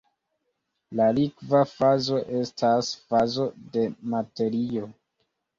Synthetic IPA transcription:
lalikvafazo̞ʔe̞stasfazo̞de̞mate̞ɾio̞

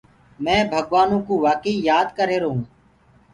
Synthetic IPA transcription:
mɛ̃ːbʱəɠʋaːnũːkuːʋaːkiːjaːd̪kəɾeːɾoɦũː

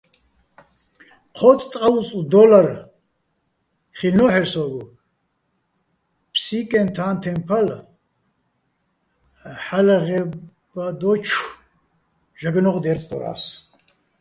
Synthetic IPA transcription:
qʰɔt͡sʼt̪ʼqʼaut͡sʼud̪ɔlaɾ | χinɔħɛɾsɔɡu | pʰsikʼɛnt̪ʰaːnt̪ʰɛmpʰal | ħalaʁɛ | bad̪ɔt͡ʃʰ | ʒaɡnɔʁd̪ɛɾt͡s̪ʰʼd̪ɔ̰ɾa̰s

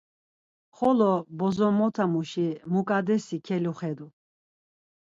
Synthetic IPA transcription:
χɔlɔbɔzɔmɔt̪ʰamuʃimukʼad̪ɛsikʰɛluχɛd̪u

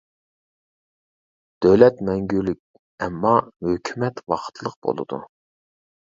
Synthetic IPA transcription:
d̪̥øwlɛt̪mɛŋɡʲylyk̚ʲ | ɛmːɑhøkʲʰymɛt̪wɑqʰt̪ʰlˠəq̚b̥o̰lˠɨ̰d̪ṵ

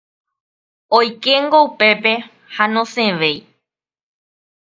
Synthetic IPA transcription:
ojkeŋɡoupe̞pe̞ | hanõsẽʋe̞j

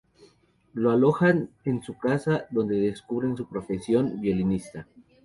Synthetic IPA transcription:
lo̞alo̞xane̞nsukasaðo̞nd̪e̞ðe̞skuβɾe̞nsupɾo̞fe̞sjo̞mbjo̞linist̪a

